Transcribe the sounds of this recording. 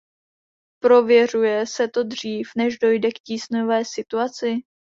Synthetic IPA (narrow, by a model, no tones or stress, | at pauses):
pɾo̞vjɛr̝ujɛsɛt̪o̞dr̝iːfnɛʒdo̞jdɛkciːsnovɛːsɪt̪uat͡sɪ